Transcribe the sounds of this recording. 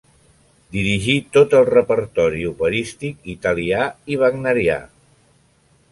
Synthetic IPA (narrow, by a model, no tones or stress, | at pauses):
d̪iɾiʒit̪ot̪əlˠrəpəɾt̪ɔɾiuβəɾist̪ikit̪əliaiβ̞əɡnəɾia̰